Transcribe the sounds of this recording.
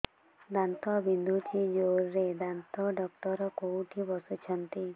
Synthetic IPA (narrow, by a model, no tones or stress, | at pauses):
d̪ant̪ɔbind̪ʱut͡ʃʰid͡ʒoɾːed̪ant̪ɔɖɔk̚ʈɔɾɔkowʈʰibɔsɔt͡ʃʰɔnt̪i